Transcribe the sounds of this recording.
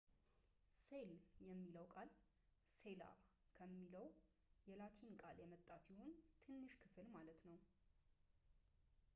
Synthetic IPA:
seljɛmːiləwkʼal | se̞la̰ | kʰəmːiləw | jɛlat̪ʰinkʼaljɛmət̪ʼːasiho̞nt̪ʰɨnːɨʃkʰɨfɨlmalət̪nəw

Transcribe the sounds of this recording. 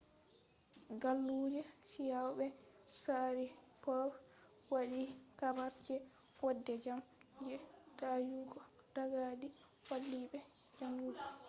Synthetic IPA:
ɡalːuːd͡ʒɛsijawɓɛ | saɾi | pɔ | waɗikabaɾd͡ʒɛ | wadːɛd͡ʒamd͡ʒɛdajuːɡɔ | d̥aɡadi | falːiɓɛ | d͡ʒaŋːuda

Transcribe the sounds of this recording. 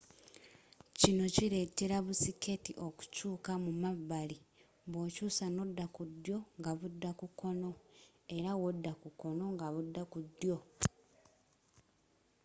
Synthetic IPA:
cino̞ciɾe̞te̞ɾaβusike̞tiʔo̞ku̥cuːkamumaβːali | βoːcuːsano̞dːakud̪ːjo̞ŋɡaβudːakuko̞no̞ | e̞ɾawodːakuko̞no̞ŋɡaβudːakudːjo̞

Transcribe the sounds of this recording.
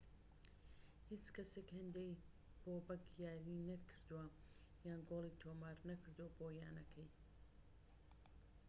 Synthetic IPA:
hit͡ʃkɐsekhɨnd̪ej | b̥obɐkjaːɾinɐkʰɨɾd̪uwa | jaːnɡoːlˠiːt̪ʰomaːɾnɐkʰɨɾd̪uabojaːnɐkʰɐj

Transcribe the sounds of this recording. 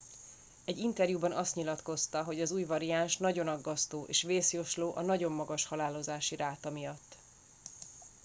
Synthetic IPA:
ɛɟːint̪ɛrjubɒnɒst̪ɲilɒt̪ko̞st̪ɒɦo̞ɟɒzuːjvɒɾiaːnʃnɒɟo̞nɒɡːɒst̪oːʔḛːʃveːsjoʃloːʔɒnɒɟo̞mːɒɡɒʃhɒlaːlo̞zaːʃiɾaːt̪ɒmijɒt̪ː

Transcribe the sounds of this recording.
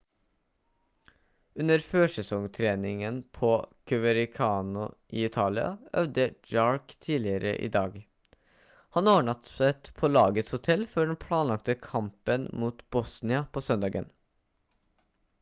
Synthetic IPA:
ʉnəɾføːʂɛsɔŋt̪ʰɾeːnɪŋənpʰoːkʰʉʋəɾɪkʰɑːnʊ̰ʔiːɪt̪ʰɑːlɪɑ̰œ̰ʋd̪əd͡ʒɑːɹkt̪ʰiːlɪəɾə̰ʔḭːd̪ɑːɡ | hɑnoːɳɑt̪st̪pʰoːlɑːɡət̪shʊt̪ʰɛlfɔɖɛnpʰɽɑːnlɑkt̪əkʰɑmpənmuːt̪bɔsnɪɑpʰoːsœnd̪ɑːɡə̰n

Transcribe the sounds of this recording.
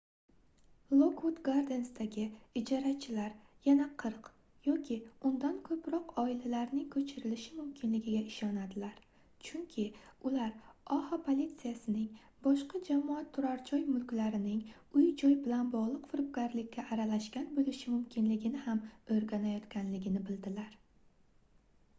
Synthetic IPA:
lˠokwut̪ɡaɾd̪e̞nsd̪aɡʲɪɪd͡ʒɒɾat͡ʃʰɪlaɾjanaqʰɨɾq | jɒkʲʰɪʊnd̪ankʰɵpɾɒqɒɪlalaɾnɪŋkʰɵt͡ʃʰɪɾɪlɪʃɪmʊmkʲʰɪnlɪɡʲɪɡʲaɪʃɒnad̪ɪlaɾ | t͡ʃʰʊŋkʲʰɪʊlaɾɒhapʰolʲit̪sijasɪnɪŋ | bɒʃqɑd͡ʒamɒat̪ʰːʊɾaɾd͡ʒʰɒjmʊlkʲlaɾɪnɪŋ | ʊjd͡ʒɒjbɪlanbɒʁlˠɨqfʊɾp̚ɡʲaɾlɪkʲʰːaʔːɾalaʃkʲanbolɪʃɪmʊmkʲʰɪnlɪɡʲɪnɪhamoɾɡʲanajɒt̪kʲanlɪɡʲɪnɪbɪld̪ɪlaɾ

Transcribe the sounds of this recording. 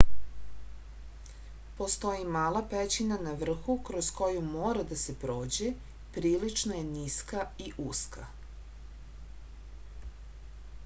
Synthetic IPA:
po̞st̪o̞jimaːlapet͡ɕinanaʋr̩xukɾosko̞jumoːɾad̪ase̞pɾo̞ːd͡ʑe | pɾiːlit͡ʃnoje̞niskaiʔuskʰa̰

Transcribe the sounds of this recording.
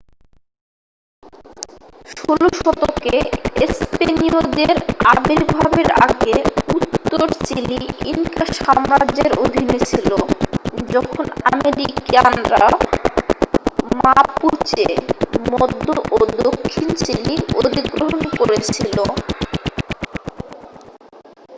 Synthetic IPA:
ʃoloʃɔt̪okeespeniod̪eɾabiɾbʱabeɾa̰ɡeut̪ːoɾt͡ɕiliḭŋkaʃɔmɾad͡ʑeɾod̪ʱinet͡ɕʰilod͡ʑɔkʰonameɾikanɾa | mapuɾt͡ɕemɔd̪ʱːoʔod̪okʰːint͡ɕilio̰d̪iɡɾoɦonkoɾet͡ɕʰilo

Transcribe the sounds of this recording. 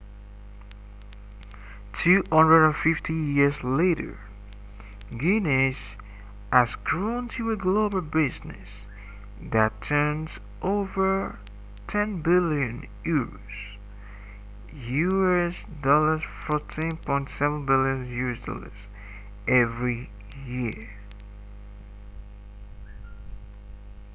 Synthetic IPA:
tʰʉhʌ̃ndɹəɾə̃nfɪftʰijɪɹzleɪɾə̰˞ | ɡinɪs | ɨzɡɹõʊ̃ntʰɨɨɡlobl̩ˠbɪznɨ̰s | ðɨtʰɜ̃˞nz | ʔoʊvə˞ | tʰɛ̃nbɪljɨ̃n | juɹo̰z̥ | juɛsdɔlə˞zfɔtʰĩnpʰɔ̃ɪ̃ntsɛvə̃nbɪlˠjɨ̃njuɹsdɔ̰lˠə̰z̥ | ʔɛvɹi | jɪɹ

